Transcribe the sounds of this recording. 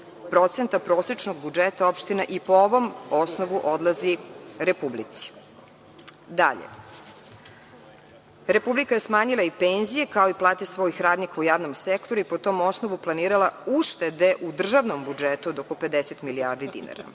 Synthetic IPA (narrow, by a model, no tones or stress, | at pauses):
pɾo̞t̪sent̪apɾo̞ːsɾet͡ʃnoɡ̚bud͡ʒet̪aopʃt̪inaʔipooʋo̞mo̞snoʋuʔo̞d̪lˠaziɾepublḭt̪si̥ | d̪a̰ʎḛ | ɾe̞publikaje̞smaːɲilˠaipenzije̞kao̞iplˠaːt̪isʋojixɾaːd̪nikaujaːʋno̞msekt̪o̞ɾuipo̞t̪o̞ːmo̞sno̞ʋuplˠaniːɾalˠauʃt̪ed̪e̞ʔud̪r̩ʒaʋno̞mbud͡ʒet̪uod̪okope̞d̪eset̪miliaːɾd̪id̪ḭna̰ɾa̰